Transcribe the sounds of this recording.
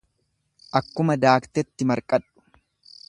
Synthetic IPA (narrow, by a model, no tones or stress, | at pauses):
ʔɐkːʊmɐd̪aːkt̪ɛt̪ːɪmɐɾkʼɐᶑːʊ̥